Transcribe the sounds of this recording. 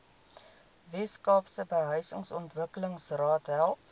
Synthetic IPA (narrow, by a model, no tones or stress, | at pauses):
vɛskɑːpsəbəɦœjsəŋsɔntvəkələŋsrɑːtɦælˠ